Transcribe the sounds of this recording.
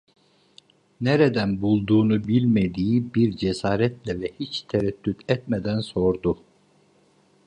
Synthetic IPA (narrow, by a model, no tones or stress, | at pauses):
neɾed̪ænbulˠd̪uːnubilʲmed̪iːibiɾd͡ʒesaːɾɛt̪lʲɛvɛhit͡ʃt̪ʰeɾɛt̪ːyt̪ɛt̪̚med̪ænso̞ɾd̪u